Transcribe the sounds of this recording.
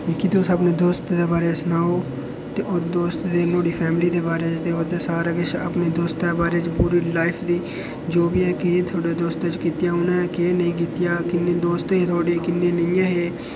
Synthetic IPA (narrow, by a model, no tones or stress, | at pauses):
ikid̪oːsəpneːd̪oːst̪d̪eːbaːɾeːsənaːoː | t̪eːʔod̪oːst̪d̪eːnoːɽiːpʰɛːmɪliːd̪eːbaːɾeːt͡ʃt̪eːod̪eːsaːɾaɡet͡ʃə̰pneːd̪oːst̪d̪eːbaːɾeːt͡ʃpuːɾiːlaːɪpʰd̪iː | d͡ʒoːbiːɛːket̪ʰoːɖeːd̪oːst̪ːt͡ʃkiːt̪jaːʊnãːkenəĩːk̬iːt̪ɪjaːkɪneːd̪oːst̪ɦeːt̪ʰoːɽekɪnːeːnɪjãɦeː